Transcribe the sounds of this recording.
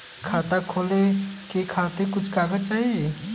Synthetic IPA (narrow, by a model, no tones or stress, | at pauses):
kʰaːt̪akʰoːlekekʰaːt̪ekʊt͡ʃʰkaːɡət͡ʃaːɦie